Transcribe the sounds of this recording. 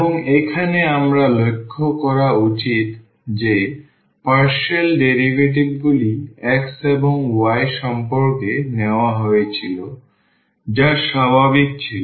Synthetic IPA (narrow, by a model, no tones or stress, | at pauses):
eboŋekʰaneamɾalokʰːokɔɾaut͡ɕit̪ | d͡ʑe | paɾʃelɖeɾiɡeʈ̬ibɡuliekseboŋwajʃɔmpoɾkeneoaɦɔet͡ɕʰilo | d͡ʑaʃabʱabik̚t͡ɕʰilo